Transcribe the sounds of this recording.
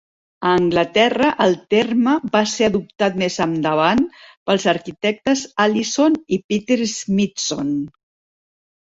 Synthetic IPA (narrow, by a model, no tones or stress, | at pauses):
əːŋɡlət̪ɛrəʔəlˠt̪erməbaseəðup̚t̪at̪mezəmd̪əβ̞anpəlˠzəɾkit̪ɛk̚t̪əzalisonipit̪eɾzmit̪son